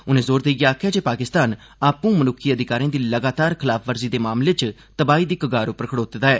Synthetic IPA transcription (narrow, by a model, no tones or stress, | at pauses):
ʊnẽːzoːɾd̪eiɡeaːkʰjaːd͡ʒeːpaːkɪst̪aːn | aːpũːmənʊkʰːiːəd̪ɪkaːɾĩãːd̪iːləɡaːt̪aːɾkʰɪlaːpfʰʋəɾziːd̪eːmaːmlet͡ʃ | t̪əbaːiːd̪iːkəɡaːɾʊpəɾəkʰəɽoːt̪d̪aːɛː